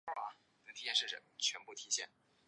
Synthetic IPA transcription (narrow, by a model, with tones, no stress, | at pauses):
a˧˥ | nə˧˩t̪ʰi˧˥jɛ˥˧nʂɻ̩˥˩ʈ͡ʂə̰˨˩ŋt͡ɕʰɥɛ˧˥npu˥˩t̪ʰi˧˥ɕjɛ̰˥˩n